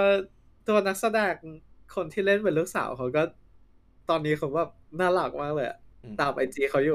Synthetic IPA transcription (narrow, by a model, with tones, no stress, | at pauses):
ɔ˥˩ | t̪u˧ɐna˦˥k̚sa˧dɛː˧ŋkʰo˧nt̪ʰiː˥˩le˥˩npe˧nluː˥˩k̚sa̰ː˨˩˦wkʰa˦˥wkɔː˥˩ | t̪ɔː˧nːiː˦˥xʰa˦˥wbɛː˨˩p̚naː˥˩la˨˩k̚maː˥˩k̚lɤː˧jʔa̰˨˩t̪aː˨˩mʔa˧jt͡ɕiː˧xʰa˦˥wjuː˨˩